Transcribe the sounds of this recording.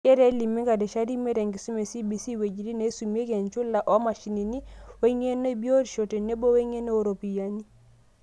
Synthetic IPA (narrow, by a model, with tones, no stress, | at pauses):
e˦ɾe˦li˨mːe˦ŋɡa˨dɛ˨ʃa˦ɾi˦me˦ɾe˨ŋɡi˨su˦me˨si˦bi˨si˦we˨d͡ʒi˨ɾi˦ne˨˦su˨m˦e˦ke˨nt͡ʃu˦la˨ʔo˦ma˨ʃi˨ni˨ni˦we˦ŋe˦no˦bi˦o˦ɾi˨ʃo˨te˨ne˦bo˦we˦ŋe˦no˦o˨ɾo˨pi˨ja˦ɲi˦